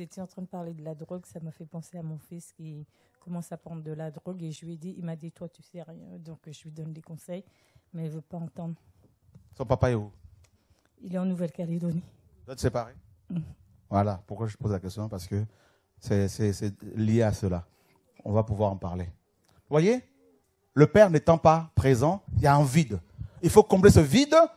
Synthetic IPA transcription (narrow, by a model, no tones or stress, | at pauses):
et̪iɑ̃t̪χɛ̃d̪əpaʁled̪əlad̪ʁɔɡsamafɛpɑ̃seamɔ̃fiskʲi | kɔmɑ̃sapχɑ̃d̪ʁd̪əlad̪ʁɔɡeʒəlɥɛd̪iʔilmad̪it̪wat̪ysɛʁjɛ̰̃d̪ɔ̃kʒəlɥid̪ɔnlekɔ̃sɛj | mɛɛvøpaɑ̃t̪ɑ̃d̪ʁ | sɔ̃papaeu | ilɛɑ̃nuvɛlkaled̪ɔni | d̪ɛt̪sepaʁe | vwalapuʁkwaʒət̪ə̥pozlakʲɛst̪jɔ̃paʁsə̥kə | sɛsɛsɛljeasəla | ɔ̰̃vapuvwaʁɑ̃paʁle | vwaje | ləpɛʁnɛt̪ɑ̃papχezɑ̃iljaɛ̃vid̪ilfokɔ̃blesəvid̪